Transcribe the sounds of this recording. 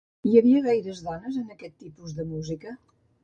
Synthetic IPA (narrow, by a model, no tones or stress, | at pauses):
iəβiəɣ̞ajɾəzðɔnəzənəkɛt̪ːipuzðəmuzikə